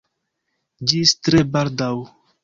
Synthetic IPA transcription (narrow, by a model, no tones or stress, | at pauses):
d͡ʒistɾebaɾdaw